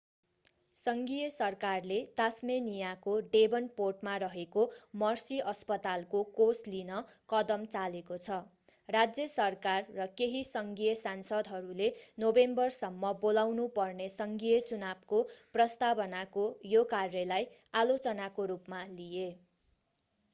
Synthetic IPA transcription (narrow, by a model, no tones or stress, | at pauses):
sʌŋɡijʌsʌrkarlet̪asmenijakoɖebʌnporʈmarʌɦekomʌrsiʌspʌt̪alkokoslinʌkʌd̪ʌmt͡salekot͡sʰʌ | rad͡zjʌsʌrkarːʌkeɦisʌŋɡijʌsansʌd̪ɦʌɾulenobembʌrsʌmːʌbolawnupʌrnesʌŋɡijʌt͡sunabkoprʌst̪abʌnakojokarːʌlaj | alot͡sʌnakoɾupmalije